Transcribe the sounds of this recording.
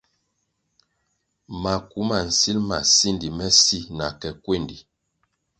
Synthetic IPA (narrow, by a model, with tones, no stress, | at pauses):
ma˨ku˦ma˨n̩˨si˦lma̰˨si˦ndi˨mɛ˦si˦na˨kɛ˨kwe˦˨ndi˨